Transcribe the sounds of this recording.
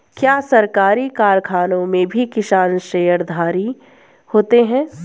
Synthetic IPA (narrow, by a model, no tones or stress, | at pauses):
kjaːsɐɾkaːɾikaːɾkʰaːnõmẽbʱikɪʃaːɾnʃeːjəɾd̪ʱaːɾi | hoːt̪eɦɛ̃ː